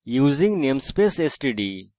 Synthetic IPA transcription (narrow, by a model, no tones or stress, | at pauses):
juːzĩŋɡnemspesesʈiɖi